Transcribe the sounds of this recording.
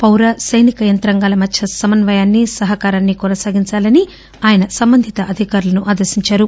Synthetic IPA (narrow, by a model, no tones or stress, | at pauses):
pɐwɾɐsɐjnikɐjɐnt̪ɾɐŋɡaːlɐmɐt̪ʃʰɐsɐmɐnʋɐjaːnːisɐɦɐkaːɾaːnːikɔnɐsaːɡiɲt͡ʃaːlɐni | aːjɐnɐsɐmbɐnd̪ʱit̪ɐʔɐd̪ʱikaːɾulɐnuʔaːd̪ɐɾsiɲt͡ʃaːɾu